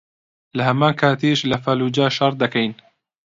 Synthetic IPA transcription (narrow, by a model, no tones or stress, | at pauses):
lɐɦɐmaːnkʰaːt̪eʃlɐfaluːd͡ʒaːʃɐɾ̚ˤd̪ɐkɐjn